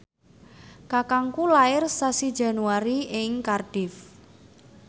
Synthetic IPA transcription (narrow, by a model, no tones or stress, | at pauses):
kakaŋkulaɪrsasid̥d͡ʒa̤nuaɾiɪŋkarɖ̥ɪf